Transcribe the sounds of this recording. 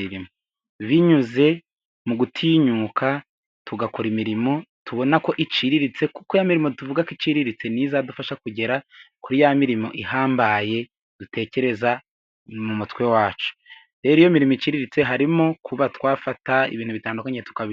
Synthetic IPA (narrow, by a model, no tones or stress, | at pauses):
iɾimo | βiɲuze̞ | muɡutʰiːɲuːkʰa | tuɡakoɾimiɾimo̞tuβo̞nako̞ʔit͡ʃiɾiɾit͡se̞ku̥kojamiɾimo̞tuvuɡakit͡ʃiɾiɾit͡se̞nizadufaʃakuɟe̞ɾakuɾijamiɾimo̞̰ʔihaːmbaje̞ | d̥utʰe̞ːce̞ɾe̞za | mumutwe̞waːt͡ʃu̥ | ɾe̞ɾijo̞miɾimoit͡ʃiɾiɾit͡se̞ɦaɾimokʰuβatwaːfataḭβiːn̥huβitaːndukaɲetu̥kaβi